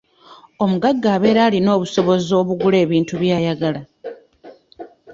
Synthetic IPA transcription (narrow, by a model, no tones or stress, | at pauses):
o̞muɡaɡːaːβe̞ːɾaːlino̞ːβuso̞βo̞zo̞ːβuɡule̞ːβiːntuβjaːjaɡala